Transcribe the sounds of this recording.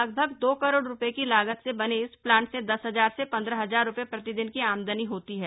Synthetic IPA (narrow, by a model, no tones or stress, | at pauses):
ɐɡ̚bʱəɡd̪oːkɐɾoːɽɾʊpekilaːɡət̪sebɐneɪsplãːɳʈsed̪ɐsɦɐzaːɾsepɐ̃nd̪ɾəɦɐzaːɾːʊpepɾɐt̪ɪd̪ɪnkiaːmd̪əniɦoːt̪iɦɛː